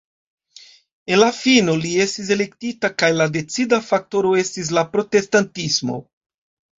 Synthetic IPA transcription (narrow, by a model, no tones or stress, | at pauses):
e̞nlafino̞lie̞stis̬e̞le̞ktitakajlade̞t͡sidafak̚to̞ɾo̞e̞stis̬lapɾo̞te̞stantismo̞̰